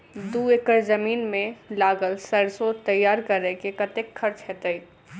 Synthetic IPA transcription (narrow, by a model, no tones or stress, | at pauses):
d̪uːekəɾzəmiːnmẽlaːɡəlsəɾsot̪ɐjːaːɾkəɾekekət̪ekʰːəɾt͡ʃɦet̪əi